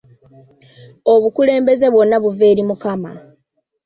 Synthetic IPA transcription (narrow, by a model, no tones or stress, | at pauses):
o̞βukule̞ːmbe̞ze̞βwo̞nːaβuve̞ːɾimukama̰